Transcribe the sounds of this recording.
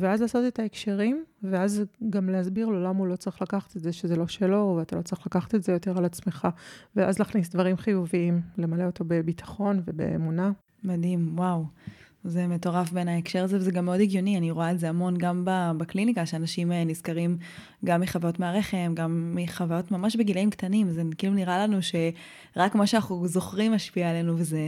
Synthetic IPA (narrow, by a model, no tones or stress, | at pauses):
veazlaːso̞t̪etaekʃeʁimveazɡamleazbiʁlo̞lamaulo̞t͡saʁi̥χlakaχḁt̪etzeʃezelo̞ʃe̞lo̞veatalo̞t͡saʁiχlakaχḁt̪etze̞jo̞te̞ʁalat͡sme̞χaveʔa̰zlaχnis̬d̪vaʁimχijuviimle̞male̞o̞t̪o̞be̞bitḁχo̞nve̞bḛḛmuna | madimwaw | ze̞me̞to̞ʁafbenaekʃe̞ʁazevezeɡamːeo̞diɡjo̞nianiʁoaetzeamo̞nɡambabaklinikaʃeanaʃimenizkaʁim | ɡamːiχavajotmeaʁeχe̞mɡamːiχavajo̞tmamaʃbeɡileimktanimzekiluniʁalanuʃe̞ | ʁakmaʃeanauzo̞χʁimaʃpiaele̞nuveze